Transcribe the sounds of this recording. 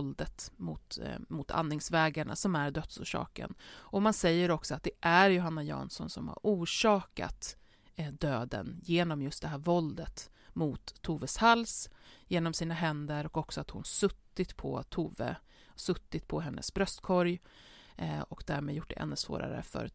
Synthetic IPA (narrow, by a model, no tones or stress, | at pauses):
ld̪ət̪mʊt̪mʊt̪ʰa̰nːɪŋsvɛːɡaɳa̰sɔmæɾɖ̪œt̪sṵːʂɑ̰ːkə̰nɔmansɛjːəɾɔksɔat̪̚d̪ɛʔæɾjʊɦanːajɑ̰ːnsɔnsɔmha̰ɾuːʂɑːka̰t̪ | d̪øːd̪ə̰njeːnɔmjɵst̪d̪ɛɦæːɾvɔld̪ət̪ | mʊt̪ʰːuːvəshalsjeːnɔmsiːnaɦɛnd̪əɾɔkɔksɔat̪hʊnsɵt̪ːɪt̪pʰɔ̰t̪ʰuːvə̰ | sɵt̪ːɪt̪pʰɔɦɛnːʔə̰sbɾœst̪kʰɔɾj | ɔkd̪æːɾmeːd̪jʊʈ̚ːd̪ɛ̰ʔɛ̰nːɵsvo̰ːɾa̰ɾə̰fœ̰ɾ